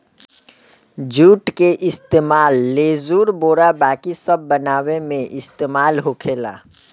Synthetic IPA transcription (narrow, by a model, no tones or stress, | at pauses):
d͡ʒuːʈkeʔɪst̪eːmaːlːeːzuːɾboːɾabaːkisəbːənaːwemẽʔɪst̪eːmaːlɦokʰeːla̰ː